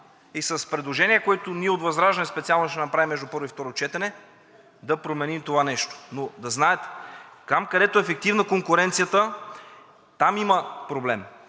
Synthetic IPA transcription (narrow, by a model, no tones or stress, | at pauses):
isɐspɾɛd̪lˠoʒɛniəkoɛt̪ʊniɛod̪vɐzɾaʒɛnɛspɛt̪sialˠnoʃt̪ɛnɐpɾavimːɛʒd̪upɤɾoift̪ɔɾot͡ʃɛt̪ɛnɛ | d̪ɐpɾomɛnimt̪ovanɛʃt̪o̥nod̪ɐznaɛt̪kamkɐd̪ɛt̪oɛfɛk̚t̪ivnɐkoŋkʊɾɛnt̪sijət̪ə | t̪amiməpɾoblɛm